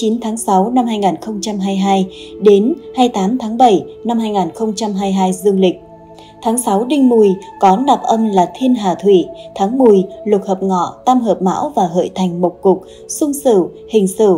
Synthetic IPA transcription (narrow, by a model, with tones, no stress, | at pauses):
t͡ɕi˨˦nt̪ʰaː˨˦ŋsa˨˦wna˧mɦaː˧jŋaː˨˩nxə˧wŋ͡mt͡ɕa˧mɦaː˧jɦaː˧jɗe˨˦nhaː˧jt̪aː˨˦mt̪ʰaː˨˦ŋɓə˧˩jna˧mhaː˧jŋaː˨˩nxə˧wŋ͡mt͡ɕa˧mɦaː˧jɦaː˧jzɨ˧əŋlï˨˩k̟̚ | t̪ʰaː˨˦ŋsa˨˦wɗï˧ŋ̟mu˨˩jkɔ˨˦na˨˩p̚ʔə˧mlaː˨˩t̪ʰi˧ənɦaː˨˩t̪ʰwi˧˩t̪ʰaː˨˦ŋmu˨˩əjlʊ˨˩t̚həː˨˩p̚ŋɔ̰˧˨t̪a˧mɦəː˨˩p̚ma̰ː˧˥wvaː˨˩ɦə̰˧˨jt̪ʰa˨˩jŋ̟mo˨˩k͡p̚kʊ˨˩k̚ | sʊ˧ŋ͡msɨ̰˧˨ | hï˨˩ŋ̟sɨ̰˧˨